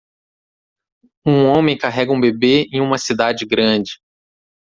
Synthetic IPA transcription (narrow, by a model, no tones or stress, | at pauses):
ũõmẽj̃kaɦɛɡɐũbebeẽj̃ũmɐsid̪ad͡ʒɪɡɾɐ̃d͡ʒɪ